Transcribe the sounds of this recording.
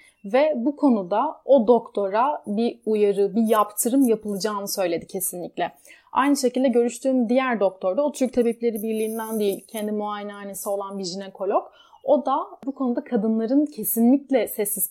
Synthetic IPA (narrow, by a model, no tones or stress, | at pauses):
vɛbukʰo̞nud̪ao̞d̪o̞kt̪ʰo̞ɾabiujaɾɯbijapt̪ʰɯɾɯmjapɯlˠɯd͡ʒaːmɯsø̞jlʲe̞d̪icʰe̞sinlʲiclʲɛa̰jnɯʃecilʲd̪ɛɟø̞ɾyʃt̪ʰyːnd̪ijæɾd̪o̞k̚t̪ʰo̞ɾd̪aot̪ʰyɾc̚t̪ʰebeplʲe̞ɾibiɾlʲiːnd̪ænd̪ejilʲcʰɛnd̪imuaːjenaːne̞sio̞lˠanbiʒinɛkʰo̞lʲok | o̞d̪abukʰo̞nud̪akʰad̪ɯnlˠaɾɯncʰe̞sinlʲiclʲɛsɛsːiz